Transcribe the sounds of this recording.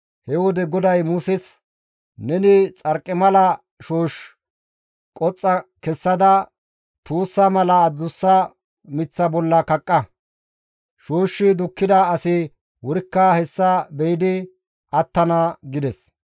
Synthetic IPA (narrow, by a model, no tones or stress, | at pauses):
hɛwɔd̪ɛɡɔd̪ɐjmusɪs | nɛnɪt͡sʼɐɾkʼːɪmɐlɐ | ʃoːʃ | kʼɔt͡sʼːɐkɛsːɐd̪ɐ | t̪uːsːɐmɐlɐd̪ʊsːɐ | mɪt͡sːɐbɔlːɐkɐkʼːɐ | ʃoːʃːɪd̪ʊkːɪd̪ɐɐsɪ | wʊɾɪkːaːhɛsːɐbɛjɪd̪ɪ | ɐt̪ːɐnɐɡɪd̪ɛs